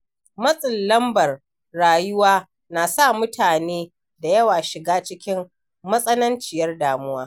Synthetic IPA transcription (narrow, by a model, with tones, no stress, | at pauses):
mɐ˦sʼɪ˨lːɐ˦mbɐ˨r | ɽaː˨jʊ˦waː˦ | na˨saː˦˨mʊ˦tʰaː˨neː˦ | da˨jɐ˦waː˨ʃɪ˨ɡaː˦t͡ʃɪ˦kʲɪ˦mː | ɐ˦sʼɐ˦nɐ˦nt͡ʃɪ˨jɐ˦rdaː˨mʊ˦waː˦